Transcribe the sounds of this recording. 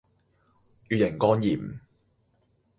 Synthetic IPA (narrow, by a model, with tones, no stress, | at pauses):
jyː˨jɪ˨˩ŋkɔː˥njiː˨˩m